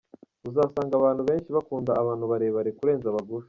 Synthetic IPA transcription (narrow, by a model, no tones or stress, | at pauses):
uzaːsaːŋɡaβaːn̥huβe̞ːnʃiβakuːndaːβaːnhuβaɾeβaɾekuɾe̞ːnzaβaɡuɾe